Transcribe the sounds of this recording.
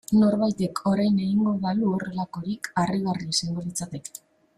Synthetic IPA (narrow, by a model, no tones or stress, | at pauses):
no̞ɾβajt̪e̞kʰo̞ɾajne̞ɣiŋɡo̞ðaluore̞lako̞ɾikariɣariseŋɡolit͡sat̪eke̥